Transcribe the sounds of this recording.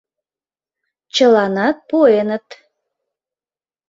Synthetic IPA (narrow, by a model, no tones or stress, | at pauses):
t͡ɕəlɑnɑt̪̚puenət̪